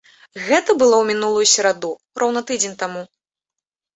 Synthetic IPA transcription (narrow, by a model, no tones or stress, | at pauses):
ɣɛt̪ɐbɨlˠɔwmʲinulˠujusʲɛɾad̪u | rɔwnɐt̪ɨd͡zʲenʲt̪amu